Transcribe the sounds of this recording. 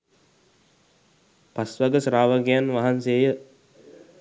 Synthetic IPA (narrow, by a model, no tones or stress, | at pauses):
pasʋaɡəsɾaːʋəɡejanʋaɦanseːjə